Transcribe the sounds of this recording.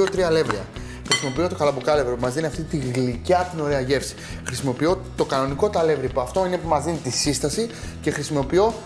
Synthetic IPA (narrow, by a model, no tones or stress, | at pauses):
ot̪ɾiɐle̞vɾiɐ̰ | xɾisimo̞pio̞t̪o̞kɐlɐbukɐle̞vɾopumɐzðiniɐft̪it̪iɣlicɐt̪ino̞ɾe̞ɐʝe̞fsi̥ | xɾisimo̞pio̞t̪o̞kɐno̞niko̞t̪ɐle̞vɾipoɐft̪o̞inepumɐzðinit̪isist̪ɐsi | ce̞xɾisimo̞pio̞